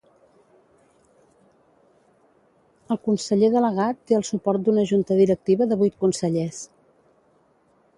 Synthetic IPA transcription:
əlˠkunsəʎeðələɣ̞at̪ːeəlˠsupɔɾt̪̚d̪unəʒunt̪əðiɾək̚t̪iβəðəβujt̪̚kunsəʎes

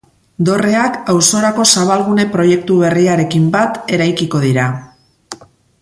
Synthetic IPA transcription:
d̪o̞re̞akawso̞ɾako̞saβ̞alɣune̞pɾo̞je̞k̚t̪uβ̞e̞riaɾe̞kimbat̪e̞ɾajkiko̞ðiɾa

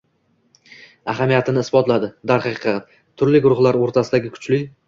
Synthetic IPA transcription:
aɦamijat̪ʰɪnɪɪsbɒt̪lad̪ɪd̪aɾχɑqqːɑt̪ | t̪ʰʊɾlɪɡʊɾʊχlˠaɾoɾt̪ʰasɪd̪aɡʲɪkʰʊ̥t͡ʃlɪ

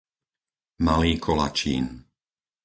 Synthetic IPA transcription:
maliːkʰɔla̰t͡ʃḭːn

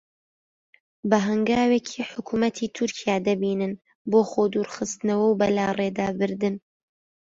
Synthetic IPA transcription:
bɐɦɐŋɡaːwekʰiːħʊkʰumɐt̪ʰiːt̪ʰʊɾkʰijaːd̪ɐbiːnɨn | boːχoːd̪uːɾχɨst̪ɨnɐwɐwbɐlaːreːd̪aːbɨɾd̪ɨn

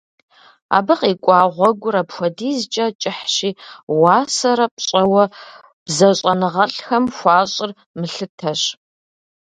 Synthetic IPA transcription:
a̰ːbɨqiːkʷʼɑːʁʷɔɡʷʊɾɐpxʷɔdiːzt͡ʃʼɐt͡ʃʼɪħʃiːwaːsɐɾɐp̚ʼɕʼɐwɐ | b̥zɐɕʼɐnɨʁɐɬxɐmxʷɑːɕʼɪr | mɨɬɨtʰɐɕ

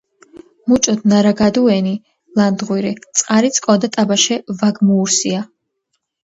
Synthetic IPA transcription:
mut͡ʃʼɔd̪naɾaɡad̪uɛni | land̪ʁwiɾit̪sʼqʼaɾit̪sʼkʼɔd̪at̪ʼabaʃɛvaɡmuːɾsia

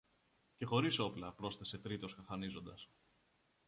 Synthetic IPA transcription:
ce̞xo̞ɾiso̞plɐpɾo̞sθese̞t̪ɾit̪o̞skɐxɐnizo̞nd̪ɐs

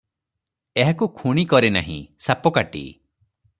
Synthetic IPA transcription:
eɦakukʰuɽ̃ikɔɾena̰ɦḭ̃sapɔkaʈḭ

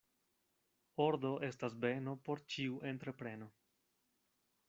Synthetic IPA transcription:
oɾdo̞ʔe̞stasbe̞no̞po̞ɾt͡ʃiuʔe̞ntɾe̞pɾe̞no̞

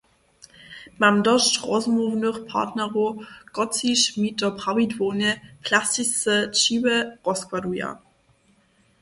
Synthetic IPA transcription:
mamdɔʃtʁɔzmuvnuχpʰa̰tnɐʁoɡ̥ɔt͡siʃmitəpʁawidvoːnəpʰlasisət͡ʃiwəʁɔskwaduja̰

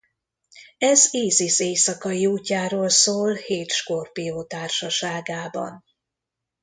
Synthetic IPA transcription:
ɛziːziseːsɒkɒiuːcːaːɾoːlsoːlheːt̪ʃkorpijoːt̪aːrʃɒʃaːɡaːbɒ̰n

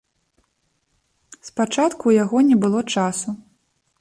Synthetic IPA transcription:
spat͡ʂat̪kujaɣɔnʲɛbɨlˠɔt͡ʂasu

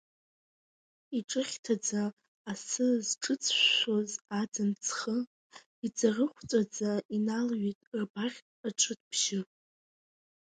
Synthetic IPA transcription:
iʈ͡ʂʼɨχʲtʰad͡zaː | sɨzʈ͡ʂʼɨt͡sʰʃʃʷozad͡zɨnt͡sʰχə | id͡zarɨχʷt͡sʼad͡zainalɥitʼrbaχʲʼ | aʈ͡ʂʷʰʼɨtʼpʰʒɪ

